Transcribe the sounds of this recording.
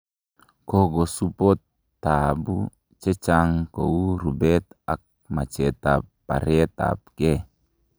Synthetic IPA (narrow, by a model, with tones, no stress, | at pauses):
ko˦ɡo˨supo˦t̪ː | abu˦ | t͡ʃe˦t͡ʃaŋko̰˨u˦ɾubɛt̪a˨k̚ | ma˨t͡ʃe˨t̪apːa̰˨ɾet̪a̰pke˦